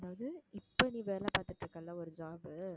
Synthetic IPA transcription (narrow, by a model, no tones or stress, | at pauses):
ɐðaːʋɐðɯɪpːɐniːʋeːɾɐlãːpaːɾt̪ɯʈːɾɯkːɐlːãːɔɾɯd͡ʒaːbɯ